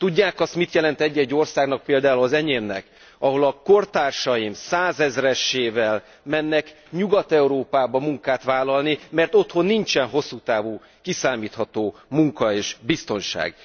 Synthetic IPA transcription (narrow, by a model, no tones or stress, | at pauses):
t̪uɟːaːkɒst̪mit̪jɛlɛnt̪ɛɟːɛɟːo̞rsaːɡnɒk̚peːld̪aːulɒzɛɲeːmnɛ̰k | ɒɦo̞lɒko̞rt̪aːrʃɒjimsaːzɛzrɛʃeːvɛl | mɛnːɛk | ɲuɡɒt̪ɛuɾoːpaːbɒmuŋkaːt̪ʋaːlɒlnimɛrt̪o̞t̪ho̞nːint͡ʃɛnɦo̞sːuːt̪aːvuː | kisaːmiːt̪hɒt̪oːmuŋkɒeːʒbist̪o̞nʃa̰ːɡ̥